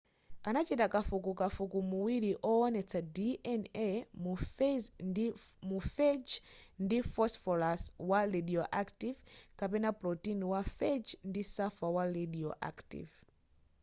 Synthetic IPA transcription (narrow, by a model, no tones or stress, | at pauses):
anat͡ʃitakafukukafukumuwiɾiʔɔɔnɛt͡sʰadiʔɛnɛm | mufɛd͡ʒndifɔsfɔlaswaɾɛdiɔʔaktivkapɛnaplɔtinwafɛd͡ʒndisafawaɾɛdiɔʔa̰ktḭv